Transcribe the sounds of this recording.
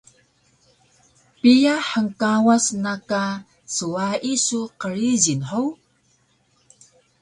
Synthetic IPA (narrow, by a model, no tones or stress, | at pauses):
pijaħəŋkawasnaka | suaisuqəɾizinħəw